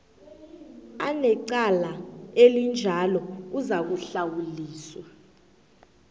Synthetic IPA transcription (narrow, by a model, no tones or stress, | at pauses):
anɛǀalaelind͡ʒʱalɔuzak̬uɬawuliːswa